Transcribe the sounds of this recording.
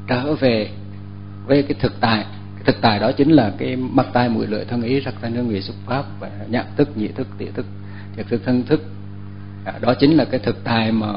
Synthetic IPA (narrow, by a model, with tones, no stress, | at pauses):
t͡ɕə̰ː˧˩ve˨˩ | vəː˨˦jkaː˨˦jt̪ʰɨ˨˩k̚t̪a̰ː˧˨˩j | t̪ʰɨ˨˩k̚t̪aː˨˩jɗɔ˨˦t͡ɕï˨˦ŋ̟laː˨˩kaː˨˦jma˦˥k̚t̪aː˧jmṵ˧˨jlɨ̰˧˨əjt̪ʰə˧nʔi˨˦zaː˦˥k̚t̪ʰa˧nɨ˧ŋwi˨˩sʊ˦˥k͡p̚faː˦˥p̚vaː˨˩ɲa̰ː˧˨ŋt̪ʰɨ˦˥k̚ɲḭ˧˨t̪ʰɨ˦˥k̚t̪ḭ˧˩ət̪ʰɨ˦˥k̚ | t̪ʰi˨˩ət̪ʰɨ˦˥k̚t̪ʰə˧nt̪ʰɨ˦˥k̚ː | ɗɔ˨˦t͡ɕï˨˦ŋ̟laː˨˩kaː˨˦jt̪ʰɨ˨˩k̚t̪aː˨˩jmaː˨˩